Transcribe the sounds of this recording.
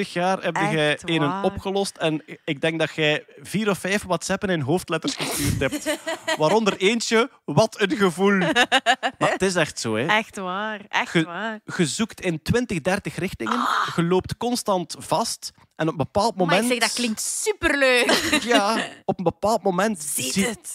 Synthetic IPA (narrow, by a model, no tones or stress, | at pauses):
ɾəxjaːrɛb̚ɣɛjeːnənɔpxəlɔstɛnɪɡ̚dɛŋɡ̚dɑtxɛjviːɾɔfːɛjfwatsɛpənɪnɦoːftlɛtərsxəstyːrtɦɛp̚tʋaːɾɔndəreːnt͡ʃə | βɑtʰənɣəvulˠ | maːətɪs̬ɛxtsoːɛɛxtʋaːrɣəɣəzuktɪntwɪntəɣdɛrtəxrɪxtɪŋənɣəloːp̚tkɔnstɑntv̥ɑst | ɛnɔpənbəpaːlˠt̚mommɛntdklɪŋktsypərløːkjaːɔpənbəpaːlˠt̚momɛntzi